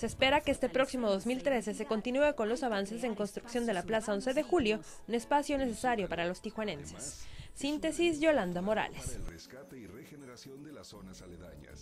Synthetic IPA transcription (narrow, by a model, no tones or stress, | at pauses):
seːspe̞ɾakeest̪e̞pɾo̞ksimo̞ðo̞zmilt̪ɾe̞se̞s̬e̞ko̞nt̪inue̞ko̞nlo̞saβ̞anse̞se̞ŋko̞nst̪ɾuksjo̞nd̪e̞laplasao̞nse̞ðe̞xuljo̞ | une̞spasjo̞ne̞s̬e̞saɾjo̞paɾalo̞st̪ixwane̞nse̞̥sːint̪e̞sizʝo̞land̪amo̞ɾa̰le̞sreskat̪eireneɾasoson | a